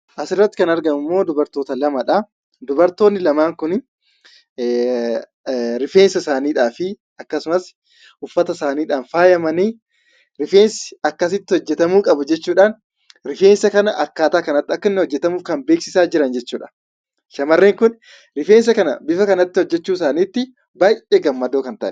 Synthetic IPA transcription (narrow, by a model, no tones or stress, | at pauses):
ʔɐsɪrːɐt̪ːɪ̥kɐnɐɾɡɐnʊmːo̞ːd̪ʊbɐɾt̪oːt̪ɐlɐmɐᶑɐ | d̪ʊbɐɾt̪o̞ːnːɪlɐmaːŋkʊn | ɾɪfe̞ːnsɐsaːniːᶑaːfɪ | ɐkːɐsʊmɐs | ʔʊfːɐt̪ɐsaːniːᶑaːnfaːjɐmɐniː | ɾɪfeːnsɪ̥ɐkːɐs̬ɪt̪ːɪhɔd͡ʒːɛt̪ɐmuːkʼɐbʊd͡ʒɛt͡ʃːuːᶑaːn | ɾɪfe̞ːnsɐkɐnɐʔɐkːaːt̪aːkɐnɐt̪ːɪɐkːɐnːhɔd͡ʒːɛt̪ɐmuːfkɐmbe̞ːksɪsaːd͡ʒɪɾɐnd͡ʒɛt͡ʃːuːᶑɐ̥ | ʃɐmɐrːeːŋkʊn | ɾɪfeːns̬ɐkɐnɐbɪfɐkɐnɐt̪ːɪhɔd͡ʒːɛt͡ʃːuːsaːniːt̪ːɪ | baːjʔeːɡɐmːɐd̪oːkɐnt̪ɐʔɛ̥